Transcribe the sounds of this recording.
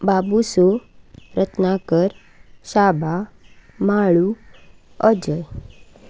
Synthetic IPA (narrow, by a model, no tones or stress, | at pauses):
babusoɾət̪nakəɾ | ɕabʱamaɭu | əd͡zəj